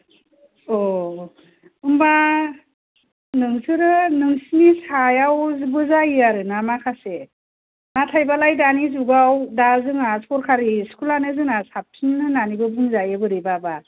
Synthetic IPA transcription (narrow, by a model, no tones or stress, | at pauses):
ɔ | ɯmba | nɯŋsɯɾɯnɯŋsinisajawzbɯzajaɾɯnamakʰase | natʰajbalajdanizuɡawdazɯŋaskɔɾkʰaɾiskʰulanɯzɯŋasap̚tʰinnɯnanibɯbuŋzajɯbɯɾibaba